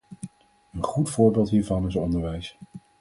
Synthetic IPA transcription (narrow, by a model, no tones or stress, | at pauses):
ənχutfʊːɹbɪːlˠtɦiːɹvɑnɪsɔndəɹʋɛjs